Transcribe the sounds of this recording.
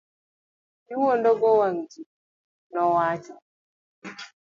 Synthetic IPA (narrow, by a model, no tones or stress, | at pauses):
iwɔndɔɡɔwaŋd͡ʒi | nɔwaːt͡ʃɔ